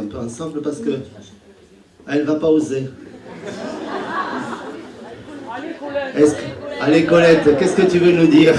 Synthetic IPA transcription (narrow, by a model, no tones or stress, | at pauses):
ɛ̃pøɑ̃sɑ̃bləpaʁsə̥kə | ɛlvapaoze | ɛskalekɔlɛt̪kʲɛskət̪yvønud̪iːʁ